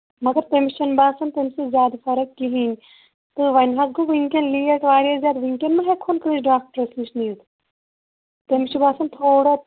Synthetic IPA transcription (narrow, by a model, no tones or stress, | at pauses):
mɐɡɐɾt̪emiʃɐnbaːsɐnt̪emsezʲjaːd̪fɐɾɐkːiɦinʲ | t̪ɨʋɐnɦɐzɡoʋiŋkenliːɐʈʋaːɾjazʲjaːd̪ʋiŋkenmɐ̃ɦekʰːonkɾid͡ʒɖaːk̚ʈɾɐsmiʃniːd̪ | t̪emiʃibaːsɐnt̪ʰoːɽa